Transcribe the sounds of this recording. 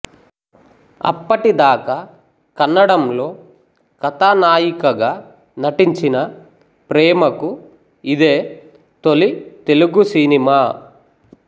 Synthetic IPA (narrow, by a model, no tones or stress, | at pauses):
ɐ̰pːɐʈid̪aːka | kɐnːɐɽɐmlo̞ː | kɐt̪aːnaːjikɐɡaː | nɐʈiɲt͡ʃinɐ | pɾɛːmɐku | id̪eː | t̪olit̪e̞luɡusiːnimaː